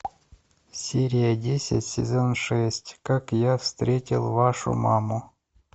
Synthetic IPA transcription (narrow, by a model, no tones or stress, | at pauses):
sʲeɾʲijadʲesʲa̰tʲsʲɪ̰zonʂɛsʲtʲkakjafst̪ɾʲetʲilˠvaʂṵmɑmu